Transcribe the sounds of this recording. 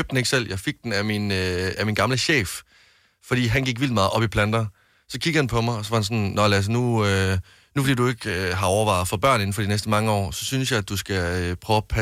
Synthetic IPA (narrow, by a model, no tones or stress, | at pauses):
øb̥̚d̥ene̝ɡ̥sel̰jɑ̈ɪfe̝ɡ̥̚d̥enæminæminɡ̥ɑ̈mləɕḛːf | fɒ̽d̥ḭːɦænɡ̥iɡ̥ʋil̰dimɑ̈ːð̩ˠɒ̽b̥ipʰlænd̥ɐ | sɒ̽kʰiɡ̥ð̩hænpʰɒ̽mɑ̈ɪɒ̽s̬ɒ̽ʋɑ̈hænsɒ̽nnɒlæs̬nuø | nufɒ̽d̥ḭːd̥ue̝ɡ̥øɦɑ̈ɒʊɐʋɑ̈ɪð̩ˠfɒ̽b̥ɶɐ̰ne̝n̩fɒdinesd̥əmɑ̈ŋəɒ̰ːsɒ̽synsjɑ̈ɪd̥usɡ̥æøpʰʁœʊpʰæ